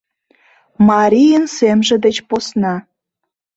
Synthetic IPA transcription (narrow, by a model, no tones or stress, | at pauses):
mɑɾʲijənsemʒĕd̪et͡ɕposnɑ